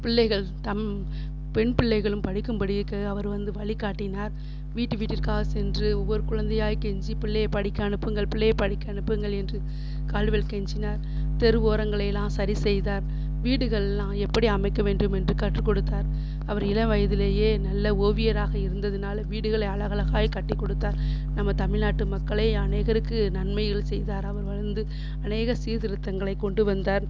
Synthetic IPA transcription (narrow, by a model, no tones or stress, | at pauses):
pɪɭːɐɪɣɐɭt̪ɐm | pɛɳpɪɭːɐɪɣɐɭɯmpɐɽɪkːɯmbɐɽiɪɾɯkːɐɐʋɐɾʋɐnd̪ɯʋɐɭɪkaːʈːɪnaːɾ | ʋiːʈːɯʋiːʈːɪɾkaːɣɐsɛndrɯɔʋːɔɾɯkʊɻɐnd̪ɐjaːjkɛɲd͡ʒipɪɭːɐjɐpɐɽɪkːɐɐɳɯpːɯŋɡɐɭpɪɭːɐjɐpɐɽɪkːɐːɳɯpːɯŋɡɐɭɛndrɯ | kaːɭʋɛlkɛɲd͡ʒɪnaːɾ | t̪ɛɾɯʋoːɾɐŋɡɐɭɐɪlːãːsɐɾisɛjðaːɾ | ʋiːɽɯɣɐɭlːãːɛpːɐɽiɐmɐɪkːɐʋeːɳɖɯmɛndrɯkɐʈrɯkːɔɽɯt̪ːaːɾ | ɐʋɐɾɪlɐʋɐjɐðɪleːjeːnɐlːɐoːʋɪjɐɾaːɣɐɪɾɯnd̪ɐðɯnaːlɐʋiːɽɯɣɐɭɐɪɐɭɐɣɐlɐɣaːjkɐʈːɪkːɔɽɯt̪ːaːɾ | nɐmːɐt̪ɐmɪɭnaːʈːɯmɐkːɐɭɐɪɐneːɣɐɾɯkːɯnɐnmɐɪɣɐɭsɛjðaːɾɐʋɐɾʋɐɻɐɾnd̪ɯ | ɐneːɣɐsiːðɪɾɯt̪ːɐŋɡɐɭɐɪkːɔɳɖɯʋɐnd̪aːɾ